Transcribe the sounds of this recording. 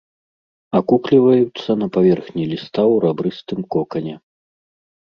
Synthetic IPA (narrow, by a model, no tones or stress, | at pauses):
akuklʲivɐjut̪sːɐnɐpavʲɛrxnʲilʲist̪awɾabɾɨst̪ɨmkɔkɐnʲɛ